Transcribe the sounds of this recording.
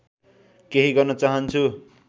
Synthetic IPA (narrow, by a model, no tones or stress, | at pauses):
keɦiɡʌrnʌt͡saɦʌnt͡sʰu